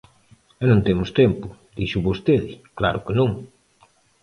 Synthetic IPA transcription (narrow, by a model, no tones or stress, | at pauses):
ɛnõnt̪emʊst̪ɛmpʊd̪iʃʊβost̪eðɪklaɾʊkenõŋ